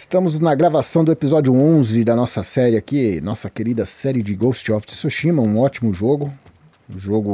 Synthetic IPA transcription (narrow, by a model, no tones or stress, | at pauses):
st̪ɐ̃mʊznɐɡɾavasɐ̃w̃d̪ʊepizɔd͡ʒiʊõzɪd̪ɐnɔsɐsɛɾɪakinɔsɐkeɾid̪ɐsɛɾɪd͡ʒɪɡowst͡ʃɔfssoʃĩmɐũɔt͡ʃimʊʒoɡʊ | ũʒoɡʊ